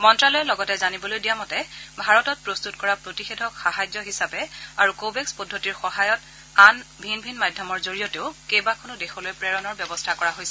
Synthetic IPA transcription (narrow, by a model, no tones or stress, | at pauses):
mɔntɹalɔjɛlɔɡɔtɛzanibɔlojdijamɔtɛbʱaɹɔtɔt̚pɹostutkɔɹapɹotixedʱɔkxaɦajzɔɦisabɛaɹukobekspɔdʱːotiɹxɔɦajɔt | anbʱinbʱinmadʱjɔmɔɹzoɹijɔteʊkejbakʰonʊdexɔlojpɹɛɹɔnɔɹbjɔbɔstʰakɔɹaɦojsɛ